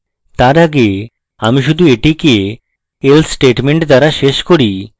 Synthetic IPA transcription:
t̪aɾaɡe | amiʃud̪ʱueʈikie | elsʈeʈmeɳʈd̪aɾaʃeʃkoɾi

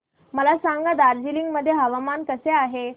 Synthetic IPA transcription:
məlasaŋɡad̪aɾd͡ʑiliŋɡməd̪ʱːjeɦəʋamankəseaɦe

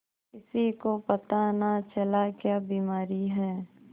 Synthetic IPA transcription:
kɪsikopɐt̪anat͡ʃɐlakjaːbiːmaːɾiɦɛː

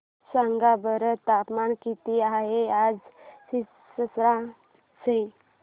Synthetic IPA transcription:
sãŋɡabəɾət̪apmankit̪iaɦead͡zsi | səsɾã | sej

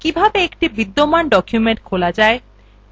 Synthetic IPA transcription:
kibʱabeekʈibid̪ːomanɖɔkʰjumeɳʈkʰolad͡ʑae

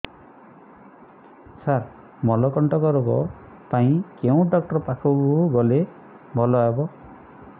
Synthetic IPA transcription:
saɾ | mɔlɔkɔɳʈɔkɔɾɔɡɔ̰ | paĩkeũɖɔk̚ʈɔɾpakʰɔɡɡɔle | bʱɔlɔebɔ

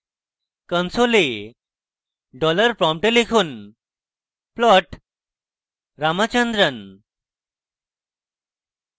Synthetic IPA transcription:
kənsole | ɖɔləɾpɾɔ̃mpʈelekʰuːn | plɔʈ | ɾamat͡ɕənd̪ɾən

